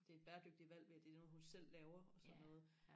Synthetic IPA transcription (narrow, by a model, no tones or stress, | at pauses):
d̥e̝ed̥b̥æːɐd̥øɡ̥̚d̥iʋæl̰ʋeæd̥e̝̥no̽ːð̩ˠhunsel̰ːɛːʊɐɒ̽sɒ̽nnɔ̽ːð̞̩ˠ